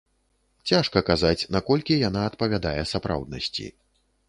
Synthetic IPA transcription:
t͡sʲaʂkɐkazat͡sʲnakɔlʲkʲijan̪aɐt̪pɐvʲad̪ajɛsapɾa̰wd̪̚nɐ̰sʲt͡sʲḭ

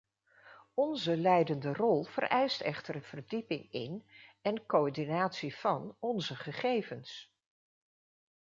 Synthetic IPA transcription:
ɔnzəlɛjdəndərɔlˠv̥ə̰rʔɛjstɛχtəɹənv̥ərdipɪŋɪ̰nɛnkoɔɹdinaːtsiv̥ɑnɔnzəχəχejvəns

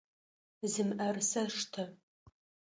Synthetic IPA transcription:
zɨmɐrsɐʂtʰɐ

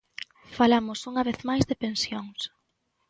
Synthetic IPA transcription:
falamʊsuŋaβeθmajzðɪpensjoŋs

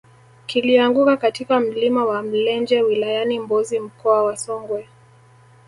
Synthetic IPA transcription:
kiliaŋɡukakatikam̩limawam̩lɛnd͡ʒɛwilajanimbɔzim̩kɔawasɔŋɡwɛ

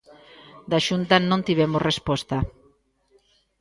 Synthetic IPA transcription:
d̪aʃunt̪anõnt̪iβ̞ɛmosrʔespɔst̪a

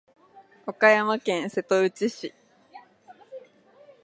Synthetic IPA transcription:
okajamakẽ̞ɰ̃se̞t̪o̞ɯ̟t͡ɕiɕi

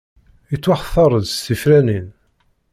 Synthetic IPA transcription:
ət͡sːwaħθˤɑɾˤəðst̪ifɾænin

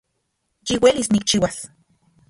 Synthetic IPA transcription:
jiwelisnikt͡ʃiwas

